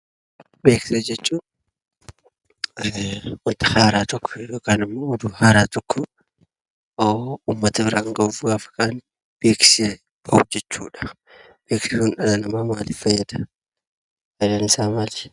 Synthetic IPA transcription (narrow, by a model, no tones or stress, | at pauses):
beːksed͡ʒɛt͡ʃːuːn | wɔt̪ɐ̥haːɾaːt̪ɔkːɔ̥ɛdoːkɐnɪmːoːʊd̪uhaːɾaːt̪ɔkʰːɔ | oumːɐt̪ɐbɪɾaːŋɡɐufɡaːfɐ̥kaːn | b̥eːkse | kʰɐwd͡ʒɛt͡ʃːṵːᶑɐ̥ | b̥eːksɪunᶑɐlɐnɐmaːmaːlɪfɐjːɐd̪ɐ | ɐlɐnɪsaːmali̥